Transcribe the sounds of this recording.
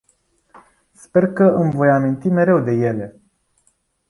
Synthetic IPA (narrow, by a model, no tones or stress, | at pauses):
spe̞rkəɨmvo̞jamint̪ime̞ɾe̞wd̪e̞je̞le̞